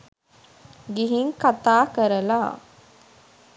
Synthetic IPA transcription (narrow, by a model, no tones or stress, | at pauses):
ɡiɦiŋkat̪aːkəɾɐlaː